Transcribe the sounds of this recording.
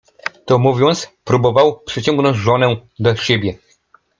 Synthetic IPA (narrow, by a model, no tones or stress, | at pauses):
t̪ɔmuvʲjɔnt̪spɾubɔvawpʂɛt͡ɕɔŋɡnɔ̃ɲd͡ʑʐɔnɛd̪ɔɕebʲjɛ